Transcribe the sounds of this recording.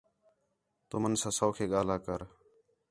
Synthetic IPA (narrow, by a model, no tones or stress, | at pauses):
t̪o̰ːmənsãːsoːkʰeːɠaːlaːkəɾ